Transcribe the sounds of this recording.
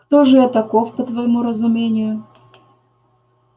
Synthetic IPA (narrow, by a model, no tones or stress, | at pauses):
kt̪oʐɨɐt̪ɐkofpət̪vəjɪmuɾəzʊmʲenʲɪjʊ